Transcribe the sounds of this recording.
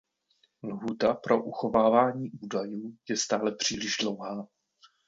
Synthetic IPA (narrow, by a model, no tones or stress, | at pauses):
lɦuːt̪apɾo̞ʔuxo̞vaːvaːɲiːʔuːdajuːjɛst̪aːlɛpr̝̥iːlɪʒdlowɦaː